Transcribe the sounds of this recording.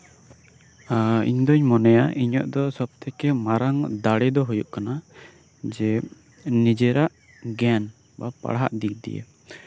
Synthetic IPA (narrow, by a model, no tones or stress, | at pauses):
aḭɲd̪ɔɲmɔnɛjaʔiɲɔʔd̪ɔsɔb̚t̪ʰɛkɛmaɾaŋd̪aɽɛd̪ɔɦujuʔkana | d͡ʒɛ | nid͡ʒɛɾaʔ | ɡɛn | bapa̰ɽɦa̰ʔd̪ik̚d̪ḭjḛ